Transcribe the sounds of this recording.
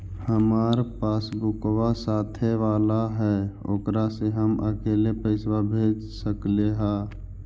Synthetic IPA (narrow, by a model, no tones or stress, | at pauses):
həmaːɾpaːsbʊkwasaːt̪ʰeʋaːlaɦɛoːkɾaseɦəmə̰keːlepəɪswabʱeːd͡ʒsəkleɦaː